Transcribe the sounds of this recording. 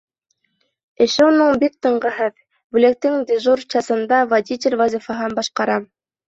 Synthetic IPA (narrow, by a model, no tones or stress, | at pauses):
ɘ̆ʃɘunɤɴbik̚t̪ɤ̆ɴɢɤ̆ɦɤð | bʉlek̚t̪ɘŋd̪ʲɪʒurt͡ɕɑsɤ̆nd̪ɑvadʲitʲɪlʲvazʲifɑɦɤnbɑʃqɑɾɑm